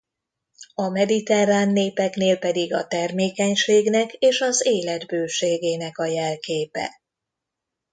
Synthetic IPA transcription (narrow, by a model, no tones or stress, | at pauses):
ɒmɛd̪it̪ɛraːnːeːpɛkneːlpɛd̪iɡɒt̪ɛrmeːkɛɲʃeːɡnɛkeːʃɒzeːlɛd̪bøːʃeːɡeːnɛkɒjɛlkeːpɛ̰